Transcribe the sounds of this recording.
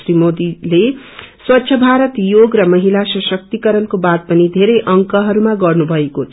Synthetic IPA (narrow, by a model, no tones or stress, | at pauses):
ɾimod̪ile | swʌtːɕʰʌbʱaɾʌt̪joɡrʌmʌɦilasʌsʌk̚t̪ikʌɾʌnkobad̪̚pʌnid̪ʱeɾʌjʔʌŋkʌɦʌɾumaɡʌrnubʱʌekot̪ʰ